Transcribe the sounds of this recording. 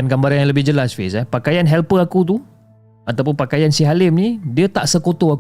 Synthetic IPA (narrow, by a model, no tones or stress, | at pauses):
anɡambaɾanjaŋləbɪhd͡ʒəlasfḭsapakajanɦɛlpəakut̪̬u | at̪awpʊnpakajansiɦalɪmnidiət̪aʔsəkot̪oak